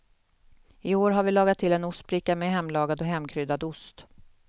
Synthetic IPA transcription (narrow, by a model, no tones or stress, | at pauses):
ɪoːɾɦaɾvɪlɑːɡat̪ʰːɪlːɛnʊst̪̚bɾɪkːamɛɦɛmːlɑːɡad̪ɔɦɛmːkʰɾʏd̪ad̪ʊst̪